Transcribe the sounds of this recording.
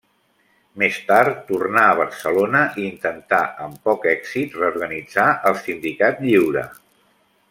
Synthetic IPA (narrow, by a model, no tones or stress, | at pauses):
mest̪aɾt̪ːurnaəβ̞ərsəlonəʔiːnt̪ənt̪aʔəmpɔkɛkzit̪rəuɾɣənid͡zaʔəlˠsind̪ikat̪ʎiwɾə̰